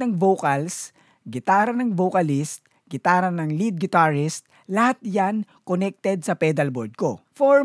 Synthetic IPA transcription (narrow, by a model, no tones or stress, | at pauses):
nɐŋvowkɐls | ɡɪt̪aːɾɐnɐŋvowkɐlist̪̚ | ɡɪt̪aːɾɐnɐŋlid̪̚ɡɪt̪aɹɪst̪̚ | lɐhat̪̚jan | konɛk̚t̪ɛd̪̚sɐpɛːd̪ɐlboɾd̪̚kofoɹ